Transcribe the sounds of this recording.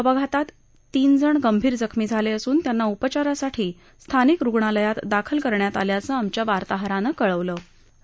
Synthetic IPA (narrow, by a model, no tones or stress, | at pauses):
əbaɡʱat̪at̪ː | iːnd͡zəɳɡəmbʱiːɾd͡zəkʰmiːd͡zʱaleəsuːnt̪janːaupət͡ɕaɾasaʈʰiː | st̪ʰanikɾuɡɳaləjat̪d̪akʰəlkəɾɳjat̪aljat͡səamt͡ɕjaʋaɾt̪aɦɾanəkəɭəʋlə